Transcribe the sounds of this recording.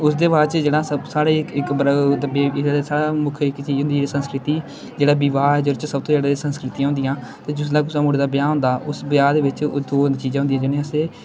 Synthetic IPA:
ʊsd̪eːʋaːɾt͡ʃd͡ʒeːɽãːsəsaːɽeːɪkɪkbɾd̪əbeːɪesaːɽaːmʊkʰɪkt͡ʃiːd͡ʒɦʊnd̪ːd͡ʒeːɽiːsə̃nskɾɪt̪iː | d͡ʒeːɽaːbɪʋaːd͡ʒəɾt͡ʃsəbt̪õːd͡ʒaːɽeesə̃nskɾɪt̪ijãɦʊ̃nd̪ɪjãːt̪ãːd͡ʒʊslaːkʊsaːmoːɽeːd̪aːbɪjãːnɦʊ̃nd̪aːʔʊsbjaːd̪eːʋɪt͡ʃd̪oːt͡ʃiːzãːɦʊnd̪ĩːãd͡ʒɪnẽːəseː

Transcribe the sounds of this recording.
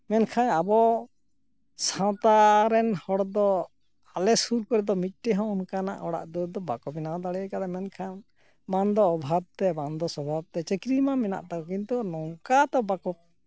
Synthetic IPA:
mɛnkʰanabɔ | sãt̪aɾɛnhɔɽd̪ɔ | alɛsuɾkɔɾɛd̪ɔmit̪̚ˀʈɛɦɔ̃ɔnkana̰ʔɔɽa̰ʔd̪ud̪ɔbakɔpinawd̪aɽɛkad̪ɛmɛnkʰan | mand̪ɔːbʱab̚t̪ɛmand̪ɔsɔbʱab̚t̪ɛt͡ʃɛkɾimamɛna̰ʔt̪akɔkint̪unɔwkat̪ɔbakɔp̚

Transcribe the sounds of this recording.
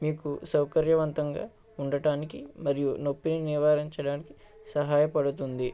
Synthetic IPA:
miːkusɐwkɐɾjɐʋɐnt̪ɐŋɡa̰ː | uɳɖɐʈaːnikimɐɾijuno̞pːininiʋaːɾiɲt͡ʃɐɽaːniki̥ | sɐɦaːjɐpɐɽut̪und̪i

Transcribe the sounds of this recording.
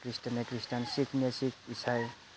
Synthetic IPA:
kɾistanekɾistansikʰnesikʰisʰaj

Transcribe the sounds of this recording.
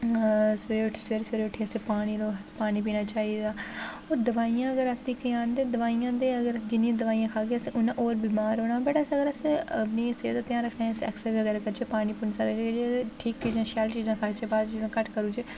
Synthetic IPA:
seɾeːʊʈʰːseːɾsʋeɾeʊʈʰːeəseːpaːɽ̃iːloːpaːñiːp̬iːnaːt͡ʃaːid̪aːoːɾd̪əʋaːijãːəɡəɾəsd̪iːkʰːaːnd̪eːd̪əʋaːijãːd̪eəɡəɾd͡ʒɪnijãːd̪əʋaːijãːkʰaːɡeəseʊnãʔoːɾbiːmaːɾɦoːɽ̃aːbəʈasəɡəɾəsebniːseːt̪at̪jãːɾəkʰnaːsɛ̰ksəɾʋiəɡɛːɾakəɾt͡ʃʰepaːɽ̃iːpʊnsaɾekːd͡ʒʈʰiːk̚t͡ʃiːzãːʃaːlt͡ʃiːzãːkʰaːt͡ʃeːbaːd̪t͡ʃiːzãːkəʈʰkəɾuːt͡ʃeː

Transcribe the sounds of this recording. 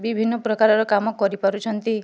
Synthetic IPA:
bibʱinːɔpɾɔkaɾɔɾɔkamɔkɔɾipɔɾut͡ʃʰɔnt̪i

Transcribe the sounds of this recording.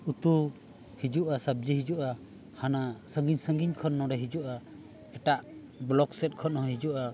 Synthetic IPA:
ut̪u | hid͡ʒuʔasab̚d͡ʒiɦid͡ʒuʔa | hanasəŋɡiɲsəŋɡiɲkʰɔnːɔ̃ɖɛɦid͡ʒuʔa | ɛʈaʔ | blɔksɛt̪̚ˀkʰɔnɔɦɔ̃ɦid͡ʒuʔa

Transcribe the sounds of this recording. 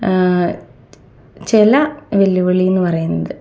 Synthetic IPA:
t͡ɕelɐʋelːuʋɐɭijunːɨpɐrɐjunːɐðɨ

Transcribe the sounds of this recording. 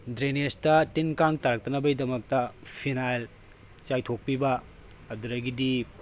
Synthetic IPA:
dɾenestɐtinkaŋtaɾɐk̚tɐnɐbɐjdɐmɐk̚tɐpʰinajl | t͡ʃajtʰok̚pibɐ | ɐduɾɐɡidi

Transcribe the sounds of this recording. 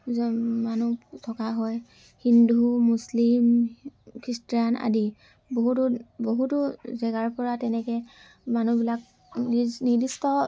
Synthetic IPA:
zɔmanutʰɔkaɦɔj | hindumuslim | kʰɹistɹana̰di | boɦutʊboɦutʊzɛɡaɹpɔɹatɛnɛkɛ | manubilak̚ | nnidistɔ

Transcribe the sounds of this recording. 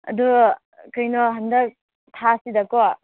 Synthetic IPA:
ɐ̰du | kʰɯjnɔɦɐndɐk̚ | tʰasidɐkɔ

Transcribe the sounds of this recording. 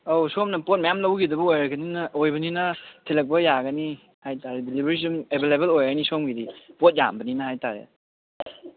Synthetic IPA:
owsomnɐpot̚mɐjamlɐwɡidɐbuojɾɐɡɐninɐʔojbɐninɐtʰelɐk̚pɐjaɡɐni | hajtaɾedilibeɾisumebʱelebelojɡɐnisomɡidipot̚ja̰mbɐninɐhajtaɾḛ

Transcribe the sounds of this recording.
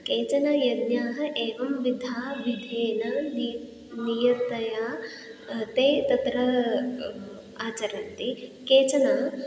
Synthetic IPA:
keːt͡ʃɐnɐjɐd̪njaːɦɐ̆ʔeːʋɐmʋid̪ʱaːʋid̪ʱeːnɐn | nijɐt̪ɐjaː | t̪eːt̪ɐt̪ɾɐ | aːt͡ʃɐɾɐnt̪ikeːt͡ʃɐna

